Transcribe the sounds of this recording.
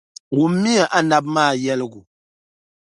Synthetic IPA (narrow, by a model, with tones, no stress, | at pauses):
wu˨m̩˦mːi˦jɛ˨ʔa˦na˦bmaː˦˨jɛ˦lɨ˦ɡʊ˨